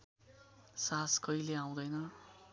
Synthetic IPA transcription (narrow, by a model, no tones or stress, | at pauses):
saskʌileaw̃d̪ʌjnʌ